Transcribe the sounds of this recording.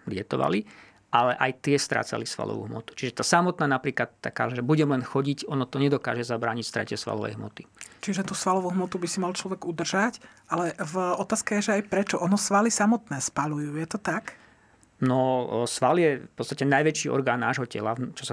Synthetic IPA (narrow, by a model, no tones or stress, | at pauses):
ɡɟɛt̪ɔʋa̰li | ʔalɛʔajt̪ɪɛst̪ɾa̰ːt͡sa̰lisʋa̰lɔ̰ʋṵɦmɔ̰t̪u̥t͡ʃiʒɛt̪aːsamɔt̪̚naːnapɾiːklat̪t̪ːaka̰ːʒɛbuɟɛmlɛnxɔɟicɔnɔt̪ɔɲɛd̪ɔka̰ːʒɛzabɾaːɲicst̪ɾɛ̰cɛsʋa̰lɔ̰ʋɛ̰jɦmɔ̰t̪i̥t͡ʃiʒɛt̪usʋalɔʋuɦmɔt̪ubisimalt͡ʃlɔʋɛɡud̪r̩ʒacʔalɛvɔt̪aːskajɛʒɛajpɾɛt͡ʃɔʔɔnɔsʋalisamɔt̪nɛːspalujuːjɛt̪ɔt̪ak | nɔsʋaljɛfpɔt͡st̪acɛnajʋɛt͡ʃiːɔ̰ɾɡaːnːaːʒɦɔcɛ̰lat͡ʃɔsa